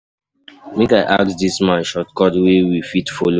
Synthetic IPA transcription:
mẽkaɪʔa̰k̚tdismãʃɔtkɔdwewifitfolo

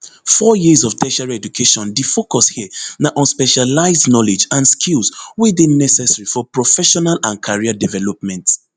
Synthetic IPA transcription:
fɔjizɔvtʰɛʃaɹɛd͡ʒukʰeʃɔ̃ndifokɔshiənaʔɔ̃nspɛʃalaɪzdnɔlɛd͡ʒãnskʰilˠswiðĩnɛsɛsaɹifɔpɹɔfɛʃɔnalãnkʰaɹiadɛvɛlɔp̚mɛ̃nt

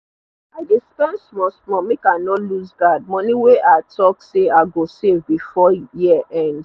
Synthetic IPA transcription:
aɪdespɛ̃nsmɔsmɔmekanɔluzɡad̚mɔniweʔatʰɔkseaɡosevbifɔjiʔɛ̃nd

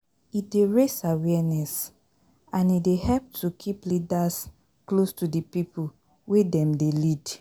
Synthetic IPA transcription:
ideɹesawɛnɛs | ãnidehɛlp̚tʰukʰiplidas | klostudipipʰu | wedɛ̃mdelid

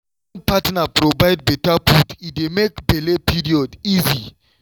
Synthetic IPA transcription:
npatnapɾɔvajd̚bɛtaputit̚demekbɛlepʰiɾiɔdizi

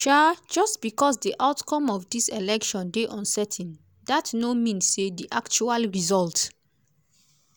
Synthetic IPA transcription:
ʃad͡ʒɔstb̥ikɔs̬diʔaʊtkɔ̃mɔfdiselɛkʃɔ̃ndeʔɔ̃nsɛtʰĩn | datnomĩnsːediʔakt͡ʃualɹizɔlt

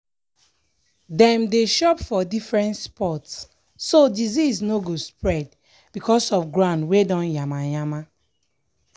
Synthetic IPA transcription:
dɛ̃mdeʃɔpfɔdifɹɛ̃ntspɔtsː | odizisnoɡospɹɛd̚ | bikɔsɔfɡɹãʊ̃ndwedɔ̃njamajama

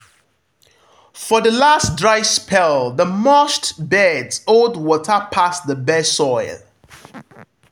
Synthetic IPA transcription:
fəðəlasdɹaɪspʰɛlˠðəmɔstbɛdzolˠdwɔtʰəpʰasðəbɛsɔɪl

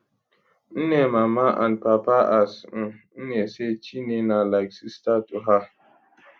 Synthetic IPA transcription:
n̩nemamaʔa̰npapaʔasn̩n̩neset͡ʃinenalaɪksistatuɦa

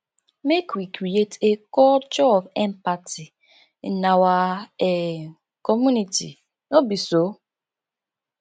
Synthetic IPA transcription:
mekwikɾietekɔd͡ʒɔbɛmpati | nawaɛ | kɔmunitḭ | nobiso

